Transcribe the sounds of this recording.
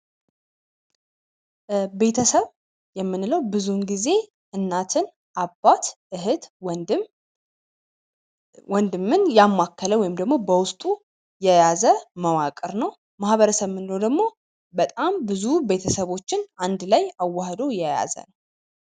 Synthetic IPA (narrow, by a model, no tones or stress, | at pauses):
be̞t̪ʰəsəβ | jɛmːɨnːɨləwbɨzunɡize̞ | ɨnːat̪ʰɨn | ʔabːat̪ʔɨɦɨd̪ | wɔnd̪ɨmːɨnjamːakːələwɔjɪmd̪əɡmo̞bəwʊst̪ʼu | jɛjazəməwakʼɨɾnəw | mahβəɾəsəβmɨnlod̪əɡmo̞ | bət̪ʼambɨzube̞t̪ʰəsəβo̞t͡ʃːɪnand̪lajawːahd̪o̞jɛja̰zə̰nəw